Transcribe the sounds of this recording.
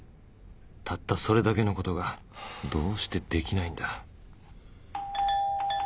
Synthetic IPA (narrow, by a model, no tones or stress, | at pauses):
t̪ʰat̪ːaso̞ɾe̞d̪ake̞no̞ko̞t̪o̞ɡa | d̪o̞ːɕi̥t̪e̞d̪e̞kʲinaĩnd̪a